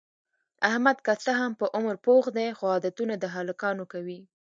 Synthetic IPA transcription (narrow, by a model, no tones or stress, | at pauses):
ahmad̪kasaɦampəʔʊmɾpoxd̪exoɑd̪at̪unad̪əɦalakɑnokawi